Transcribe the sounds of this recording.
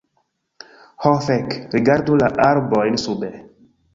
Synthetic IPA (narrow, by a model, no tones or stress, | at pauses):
hɔ̃fɛkɾiɡaɾd̪ulaʔaɾbɔjnsubɛ